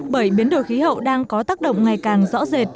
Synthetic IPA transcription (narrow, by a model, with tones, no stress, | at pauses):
ɓə˧˩jɓi˨˦ənɗo˧˩jxi˨˦hə̰˧˨wɗaː˧ŋkɔ˨˦t̪aː˦˥k̚ɗə̰˧˨wŋ͡mŋa˨˩jkaː˨˩ŋzɔ̰˧˥ze˨˩t̚